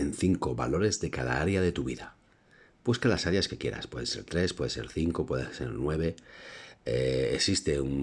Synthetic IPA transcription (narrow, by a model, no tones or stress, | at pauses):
enθiŋko̞βa̰lo̞ɾe̞zðe̞kaða̰aɾjaðe̞t̪uβiða | b̥uskalasaɾjaske̞kje̞̰ɾa̰spwe̞ðese̞̰ɾt̪ɾe̞spwe̞ð̞ese̞̰ɾθiŋko̞pwe̞ðese̞̰ɾnwe̞β̞e̞ | eeksist̪e̞un